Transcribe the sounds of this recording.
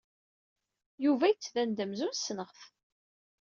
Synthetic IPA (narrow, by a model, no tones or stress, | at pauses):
juvæjət͡sːvænd̪əmzunsnəʁθ